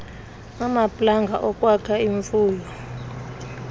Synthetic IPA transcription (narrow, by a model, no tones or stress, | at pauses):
amapʼlaŋɡʱa̰ʔɔkʼwakʰaiɱfuːlɔ